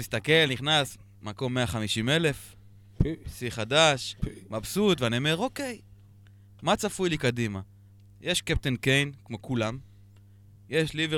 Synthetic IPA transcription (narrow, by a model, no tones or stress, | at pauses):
ist̪ake̞lniχnas | mako̞mːeaχamiʃime̞le̞f | siχad̪aʃmabsut̪veaniomeʁo̞ke̞j | mat͡safujlikadima | jʔeʃkep̚t̪enkejnkmo̞kulam | je̞ʃlive